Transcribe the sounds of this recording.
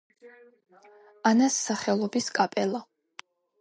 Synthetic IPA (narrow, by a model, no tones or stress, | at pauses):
anasːaχɛlˠɔbiskʼapʼɛlˠa